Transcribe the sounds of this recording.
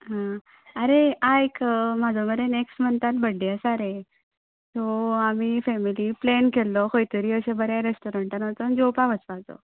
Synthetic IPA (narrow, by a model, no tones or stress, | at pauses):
ɦã | əɾeaekm̤ad͡zoməɾeneksʈmənt̪at̪bəɽiəsaɾe | t̪ɔamifɛmiliplɛnkelːɔkʰojt̪əɾiːəsebəɾaɾesʈoɾəɳʈənət̪ɔnd͡ʑopaʋəsʋad͡zɔ̰